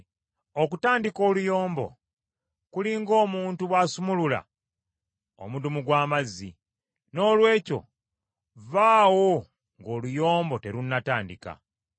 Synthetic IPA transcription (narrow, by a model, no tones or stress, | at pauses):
ok̬utaːndiko̞ːlujo̞ːmbo̰ | kuliŋɡo̞ːmuːntuβwaːsumulula̰ | o̰mudumuɡwaːmazːḭ | no̞ːlwe̞ːco̞̰ | vaːwo̞ | ŋɡo̞ːlujo̞ːmbo̞te̞ɾunːataːndika̰